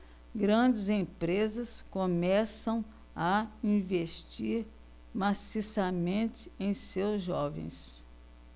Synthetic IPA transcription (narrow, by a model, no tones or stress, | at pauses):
ɡɾɐ̃d͡ʒɪzẽpɾezɐskomɛsɐ̃w̃ | ɐĩveʃt͡ʃiɾ | masisɐmẽnt͡ʃɪẽj̃sewzʒɔvḛ̃j̃s